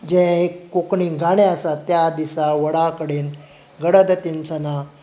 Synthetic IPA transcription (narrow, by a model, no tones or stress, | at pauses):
d͡ʑẽekːokɳiɡaɽ̃eəsat̪ːjad̪isaʋəɽakəɽiːn | ɡəɽəd̪ət̪int͡səna